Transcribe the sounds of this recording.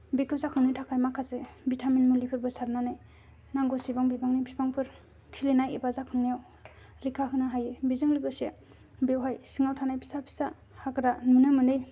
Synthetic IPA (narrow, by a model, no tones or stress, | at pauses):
bikʰɯp̚zakʰɯŋnitʰakʰajmakʰasebitʰamenmulipʰɯɾbɯsaɾnanaj | naŋɡosibaŋbibaŋnipʰibaŋpʰɯɾ | pʰilenajebazakʰɯŋnijaw | ɾikʰaɦɯnaɦajebizɯŋliɡɯse | bewɦajsiŋawtʰanajpʰi̥sapʰi̥sa | hakɯɾamunɯmɯnɯj